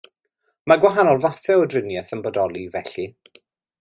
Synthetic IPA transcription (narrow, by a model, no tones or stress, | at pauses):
maɡwaɦanɔlˠvaθɛɔdrɪnjɛθənbɔdɔlˠivɛɬi